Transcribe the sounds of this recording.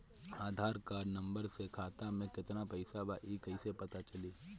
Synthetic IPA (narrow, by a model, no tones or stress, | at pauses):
aːd̪ʱaːɾkaːɾnɐ̃mbəɾsekʰaːt̪amẽkɪt̪napəɪsabaʔiːkəɪsepɐt̪at͡ʃɐliː